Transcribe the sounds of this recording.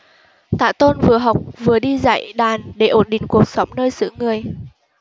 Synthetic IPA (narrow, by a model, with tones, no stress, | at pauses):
t̪a̰ː˧˨t̪o˧nvɨ˨˩əɦa˨˩wk͡p̚vɨ˨˩əɗi˧za̰˧˥˨jɗaː˨˩nɗe˧˩ʔo˧˩nɗḭ̈˧˨ŋ̟ku˨˩ək̚sɔ˨˦wŋ͡mnəː˧jsɨ̰˧˥ŋɨ˨˩əj